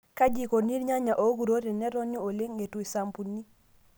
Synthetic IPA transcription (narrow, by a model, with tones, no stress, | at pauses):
ka˦d͡ʒi˦˨ko˨ni˦ɾɲa˦ɲa˨ʔo˨˦ɡu˨ɾo˦ɾe˨nɛ˦ɾɔ˦ɲo˦o˨le˦ŋːe˨tu˨i˨sa˨mpu˨nːi˦